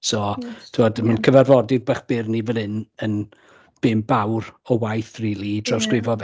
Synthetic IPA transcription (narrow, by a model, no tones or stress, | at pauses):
sɔtʰumɔdmankʰəvarvɔdɪðbaχb̥ɪrnivɛlˠɨnən | b̥ɪmbawrɔwajθriːlˠid̥rɔskrɪvɔð